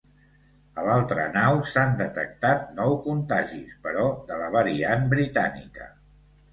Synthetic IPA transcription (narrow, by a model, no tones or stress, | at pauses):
əlalˠt̪ɾənawsand̪ət̪ə̰k̚t̪at̪̚nɔwkunt̪aʒispəɾɔðələβəɾianbɾit̪a̰nḭkə̰